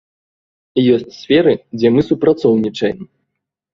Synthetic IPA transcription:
jɔsʲt͡sʲsʲfʲɛɾɨd͡zʲɛmɨsupɾat̪sɔwnʲit͡ʂɐjɛm

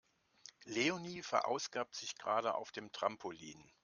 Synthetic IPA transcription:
leoniːfɛɐʔa̰ʊsɡ̥aːp̚tz̥ɪçɡ̥ʁaːɾəʔa̰ʊfd̥eːmtʁ̥ampʰolḭːn

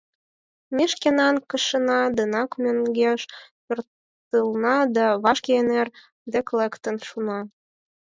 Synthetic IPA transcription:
meʃkenɑnkəʃənɑd̪ənɑkmʲøŋɡeʃpørt̪ | əlnɑd̪ɑβɑʃkʲeener | d̪eklekt̪ə̆nʃunɑ

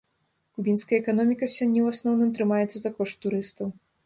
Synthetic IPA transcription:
kubʲinskɐjɐɛkanɔmʲikɐsʲɔnʲːɛwasnɔwnɨmt̪ɾɨmajɛt̪sːɐzakɔʂt̪ːuɾɨst̪ɐw

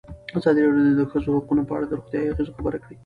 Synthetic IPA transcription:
azɑd̪iɾɑɽjod̪od̪əxəzohaqunopəa̰ɽad̪əɾoɣt̪jɑjaɣezoxabəɾakɽi

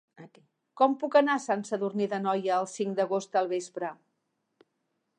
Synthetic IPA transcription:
ət̪i | kɔmpukənasansəðurniðənɔjəːlˠsiŋd̪əɣ̞ost̪əlˠβ̞espɾə

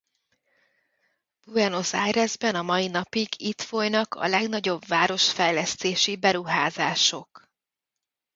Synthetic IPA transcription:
b̥uɛno̞sajrɛzbɛnɒmɒjinɒpiɡit̪fo̞jnɒkɒ̰lɛɡnɒɟo̞bvaːɾo̞ʃfɛjlɛst̪eːʃibɛɾuɦaːzaːʃo̞k

